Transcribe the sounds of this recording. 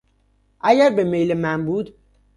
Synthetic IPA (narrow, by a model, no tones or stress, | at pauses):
ʔæɟæɾbe̞me̞jlemænbuːd̪